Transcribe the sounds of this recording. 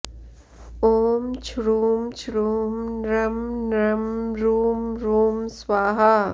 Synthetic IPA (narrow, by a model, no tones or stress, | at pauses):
oːmt͡ʃʰɾuːmt͡ʃʰɾuːmnɾɐmnɾɐmɾuːmɾuːmswaːɦa